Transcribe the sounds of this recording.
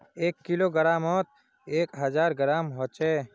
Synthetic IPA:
eːkːiloːɡəɾaːmɔːt̪̚ | eːkɦəd͡ʒaːɾɡəɾaːmɦoːt͡ʃeː

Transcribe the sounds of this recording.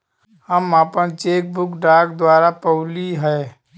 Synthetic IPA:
həmaːpənt͡ʃeːk̚bʊkɖaːkd̪waːɾapəʊliɦɛː

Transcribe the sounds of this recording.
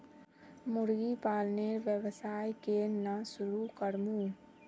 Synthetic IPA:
mʊɾɡipaːlneɾʋjəwsaːjkenasʊɾukəɾmũː

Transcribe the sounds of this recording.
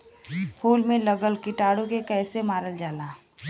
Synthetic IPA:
huːlmẽləɡəlkɪʈaːɽõkekɛːsemaːɾəld͡ʒaːlaː

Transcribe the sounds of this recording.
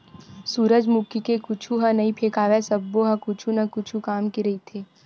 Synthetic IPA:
suːɾəd͡ʒmʊkikekʊt͡ʃʰuɦɐ̃nɐĩpʰeːkaːʋesɐbːoɦɐ̃kʊt͡ʃʰunɐkʊt͡ʃʰukaːmkiɾɐit̪ʰeː

